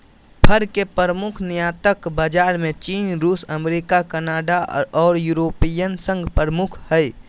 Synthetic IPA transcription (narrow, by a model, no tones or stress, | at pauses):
pʰəɾkepəɾəmʊkʰnijat̪əkbad͡ʒaːɾmẽt͡ʃiːnɾuːsəmeɾikakənaːɖaɔːɾjuɾoːpijənsə̃ŋɡpəɾəmukʰhəj